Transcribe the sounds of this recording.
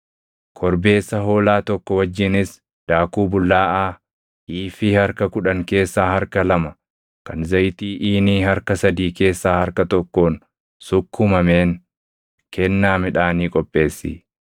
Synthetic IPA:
kʰɔɾbe̞ːsːɐɦo̞ːlaːt̪ɔkːɔwɐd͡ʒːɪnɪs | d̪̥aːkuːbʊlːaːʔaː | ʔiːfɪhɐɾkɐkʊᶑɐŋke̞ːsːaːhɐɾkɐlɐmɐ | kɐnzɐjt̪iːʔiːniːhɐɾkɐsɐd̪iːke̞ːsːaːhɐɾkɐt̪ɔkːo̞ːn | sʊkʰːʊmɐmeːŋ | kʰɛnːaːmɪᶑaːniːkʼɔpʼːe̞ːsːḭː

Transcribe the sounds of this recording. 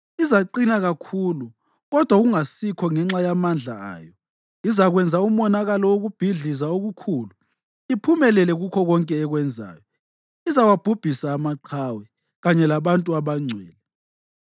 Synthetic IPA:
izaǃinaɣakʰulu | ɣɔd̥ʱwaɣuŋasikʰɔŋɛŋ͡ǁajamand͡ɮʱaa̰ːjɔ | izaɣwɛnd͡zʱaumɔnaɣalɔwoɣub̥ʱiɮizaoɣukʰuːlu | ipʰumɛlɛlɛɣukʰɔɣɔŋkʼɛːɣwɛnd͡zʱa̰ːjɔ | izawab̥ʱub̥ʱisaːmaǃʰawɛ | ɣaɲɛlaβantʼuaβaŋ͡ǀʱwɛ̰ːlɛ

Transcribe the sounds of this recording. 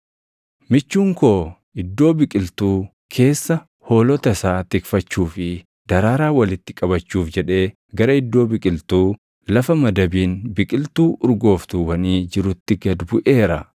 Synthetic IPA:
mɪt͡ʃːuːŋko̞ː | ɪd̪ːo̞ːbɪkʼɪlt̪uː | kʰe̞ːsːɐ | ho̞ːlɔt̪ɐsaːt̪ɪkfɐt͡ʃːuːfɪ | d̪̥ɐɾaːɾaːwɐlɪt̪ːɪ̥kʼɐβɐt͡ʃːuːfd͡ʒɛᶑe̞ː | ɡɐɾɐɪd̪ːo̞ːbɪkʼɪlt̪uː | lɐfɐmɐd̪ɐbiːnbɪkʼɪlt̪uːʔʊɾɡo̞ːft̪uːwɐniːd͡ʒɪɾʊt̪ːɪɡɐd̪bʊʔe̞ːɾɐ

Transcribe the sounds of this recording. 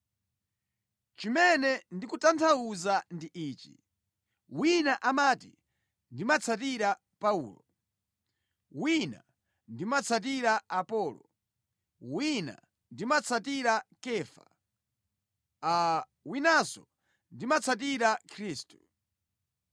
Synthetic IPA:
t͡ʃimɛnɛndikutantʰauzandiʔiːt͡ʃḭ | winaʔamatḭ | ndimat͡sʰatiɾa | paṵːlɔ | wina̰ | ndimat͡sʰat̬iɾaːpɔːlɔ̰ | wina̰ | ndimat͡sʰatiɾakɛːfa̰ | a | winasɔ | ndimat͡sʰat̬iɾakʰɾiːstu̥

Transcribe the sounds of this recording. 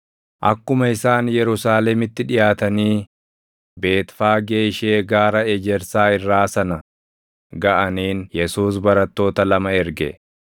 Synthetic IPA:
ʔɐ̰kːʊmɐɪsaːnjɛɾʊsaːlɛmɪt̪ːɪᶑɪjaːt̪ɐniː | be̞ːt̪faːɡe̞ːʃe̞ːɡaːɾɐɛd͡ʒɛɾsaːɪrːaːsɐnɐ | ɡɐʔɐniːnjɛsuːs̬bɐɾɐt̪ːo̞ːt̪ɐlɐmɐɛɾɡɛ̰

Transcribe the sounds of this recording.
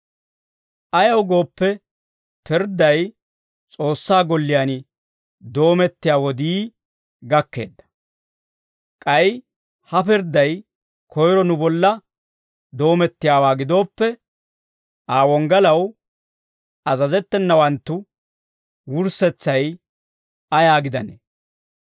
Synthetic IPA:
ʔɐjɐwɡo̞ːpːɛ | pɪɾd̪ɐj | t͡sʼo̞ːsːaːɡɔlːɪjanɪ | d̪o̞ːmɛt̪ːɪjaːwɔd̪iː | ɡɐkːe̞̰ːd̪ːɐ̥ | kʼɐj | hɐpɪɾd̪ɐj | kʰɔjɾɔnʊbɔlːɐ | d̪o̞ːmɛt̪ːɪjaːwaːɡɪd̪o̞ːpːɛ | ʔaːwɔŋɡɐlɐw | ɐzɐzɛt̪ːɛnːɐwɐnt̪ːʊ | wʊɾsɛt͡sːɐj | ɐjaːɡɪd̪ɐnḛː

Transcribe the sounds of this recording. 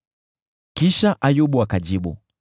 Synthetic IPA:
kiʃaʔajuɓuakad͡ʒiɓṵ

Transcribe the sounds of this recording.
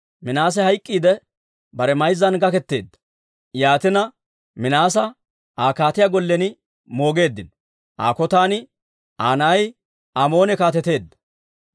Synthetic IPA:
mɪnaːs̬ɛhɐjkʼːiːd̪ɛ | bɐɾɛmɐjzːɐnɡɐkɛt̪ːe̞ːd̪ːɐ̥ | jaːt̪ɪnɐ | mɪnaːs̬ɐ | aːkaːt̪ɪjaɡɔlːɛnɪ | mo̞ːɡe̞ːd̪ːɪn | ʔa̰ːkɔt̪aːnɪ | ʔaːnaj | amo̞ːnɛkaːt̪ɛt̪e̞ːd̪ːɐ̥

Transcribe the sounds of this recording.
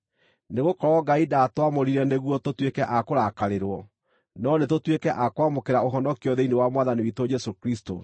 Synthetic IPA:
neɣokɔɾɔɡaidatwamoɾiɾɛneɣwɔtotwekɛʔakoɾakaɾeɾwɔ | nɔnetotwekɛʔakwamokeɾaoɦɔnɔkeɔðeinewamwaðaniwitod͡ʒɛsokɾisto̰

